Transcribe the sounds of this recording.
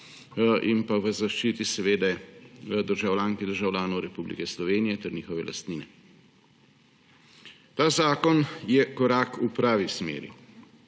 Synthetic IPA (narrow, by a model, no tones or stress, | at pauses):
ʔimpaʋəzaʃt͡ʃiːt̪isɛʋeːd̪ɛəd̪əɾʒawlʲaːŋkid̪əɾʒawlʲjaːnɔwɾɛpublḭkɛslɔʋeːnijɛt̪ɛɾniːxɔʋɛlʔa̰st̪niːnɛ | t̪aːzaːkɔnjɛkɔɾaːkupɾaːʋismḛːɾḭ